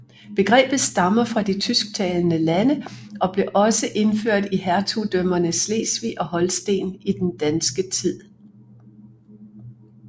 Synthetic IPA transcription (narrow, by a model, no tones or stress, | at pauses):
b̥e̝ɡ̥ʁɛ̰ːb̥ð̩ˠsd̥ɑ̈mɐfʁɑ̈d̥it͡sʰysɡ̥̚t͡sʰɛːlnəlænəɒ̽b̥le̝ʔɒ̽səʔe̝nføɐ̰d̥ihæɐt͡sʰud̥œmɐnəsle̝̰ːsʋiʔɒ̽hɒ̽lsd̥e̝̰ːnid̥end̥ænsɡ̥ət͡sʰið̰ˠ